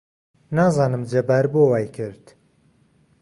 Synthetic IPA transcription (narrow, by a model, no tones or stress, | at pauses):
naːzɑːnɨmd͡ʒebaːɾboːwaːjkʰɨɾd̪